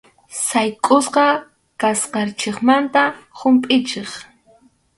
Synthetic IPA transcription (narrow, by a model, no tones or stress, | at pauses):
sajkʼʊsqɑ | kasqɑɾt͡ʃeχmant̪ahʊmpʼɪt͡ʃeχ